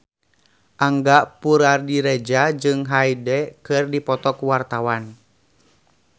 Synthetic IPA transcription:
ʔaŋɡapuɾardiɾɛd͡ʒad͡ʒɨŋɦaidɛkɨrdipɔt̪ɔkuwart̪awan

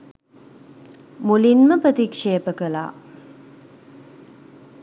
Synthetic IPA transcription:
mulinməprət̪ikʂeːpəkəla̰ː

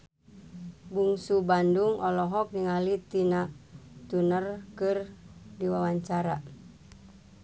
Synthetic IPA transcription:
buŋsubanduŋʔɔlɔɦɔk̚niŋalit̪inat̪unərkɨrdiwawaɲt͡ʃaɾa

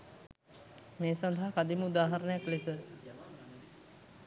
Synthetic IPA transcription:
meːsand̪ʱaɦakad̪iməud̪aːɦaɾənəjaklesə

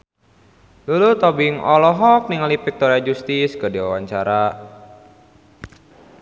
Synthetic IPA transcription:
lulut̪ɔbiŋɔlɔɦɔk̚niŋalipik̚t̪ɔɾead͡ʒust̪iskədiwawaɲt͡ʃaɾa

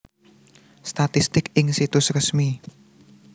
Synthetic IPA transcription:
st̪at̪ist̪ɪkɪŋsit̪ʊsrəsmi

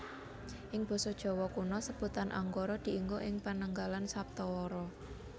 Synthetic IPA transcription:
ʔɪŋb̥ɔ̤sɔd̥ʒ̥ɔ̤wɔkunɔsəb̥ṳt̪anʔa̰ŋɡoɾɔd̪̥i̤ʔiŋɡoʔɪŋpanəŋɡalansap̚t̪ɔwɔɾɔ

